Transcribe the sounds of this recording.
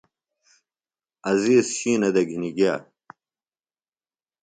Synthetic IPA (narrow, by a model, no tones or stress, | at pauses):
ɐziːsɕiːnɐd̪ɐɡʱiniɡiaː